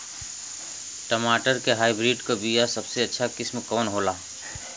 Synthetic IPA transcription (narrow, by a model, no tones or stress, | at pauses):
ʈəmaːʈəɾkeɦaːibɾiːɖkobijasəbseɐtːʃʰakɪsmkɔːnɦoːla